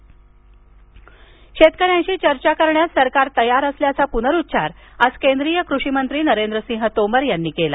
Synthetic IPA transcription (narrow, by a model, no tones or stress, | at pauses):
ɕet̪kəɾjãnɕiːt͡ɕəɾt͡ɕakəɾɳjat̪səɾkaɾt̪əjaɾəsljat͡sapunəɾut̪ːsaɾaskend̪ɾijəkɾuɕimənt̪ɾiːnəɾend̪ɾəsĩŋɦət̪oməɾjanːiːkela̰